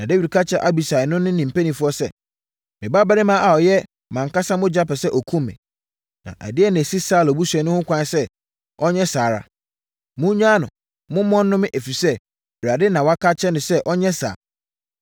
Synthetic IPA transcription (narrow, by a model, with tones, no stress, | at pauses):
nã˨de˦wi˨dkʰa˦t͡ɕʰɛ˨ʔa˦bi˨sa˨ɪ˨nʊ̃˦nɪ̃˦nĩ˨m̩˨pæ˦nĩ˨fʊ˦ɔ˦sɛ˦ | mɪ̃˨ba˦ba˦ɾɪ˦mãː˦ʔa˨ɔ˨jɛ˦ | mã˨ŋ˨ka˦sã˦mʊ̃˦d͡ʑa˦pɛ˨sɛ˦ʔɔ˨kʰũ˦mːɪ̰̃˨ | nã̰˨ʔæ̰˨dɪ˦ɛ˦nã˨si˦saː˦˨lɔ˨bu˦su˨ɛ˨nʊ̃˦hʊ̃˦kʷʰã˦n˦sɛ˦ | ʔɔ˦ɲɛ̃˦saː˨ɾa̰˨ | mʊ̃˦ɲᶣã˦nʊ̰̃˨ | mʊ̃˦mɔ̃˦nː˦ʊ̃˦mɪ̃˦ʔe˨fi˨sɛ˦ | bɾa˨dɪ˦nã˨wɔ˨a˦kʰa˦t͡ɕʰɛ˦nʊ̃˨sɛ˦ʔɔ˦ɲɛ̃˦sa̰ː˨